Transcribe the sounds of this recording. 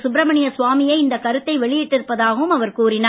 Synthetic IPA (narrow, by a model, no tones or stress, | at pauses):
sʊbɾɐmɐɳɪjɐsʋaːmɪjɐɪɪnd̪ɐkɐɾɯt̪ːɐɪʋɛɭɪjɪʈːɪɾɯpːɐðaːɣɐʋɯmɐʋɐɾkuːɾɪnaː